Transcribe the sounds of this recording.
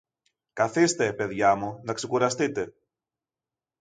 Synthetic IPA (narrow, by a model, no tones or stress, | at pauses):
kɐθist̪e̞peðʝɐmunɐksekuɾɐst̪it̪e̞